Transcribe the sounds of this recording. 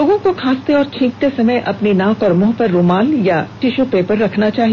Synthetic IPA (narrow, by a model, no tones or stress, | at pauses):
oːɡõkokʰaːst̪eɔːɾt͡ʃʰɪ̃ːŋk̚t̪esɐməjʔɐpninãːkɔɾmʊɦpɐɾːomaːljaʈɪʃupeːpəɾːɐkʰnat͡ʃaːɦi